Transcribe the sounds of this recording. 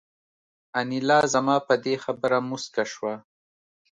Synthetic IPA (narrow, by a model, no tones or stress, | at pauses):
anilɑːzamɑːpəd̪exabəɾamʊskaʃwa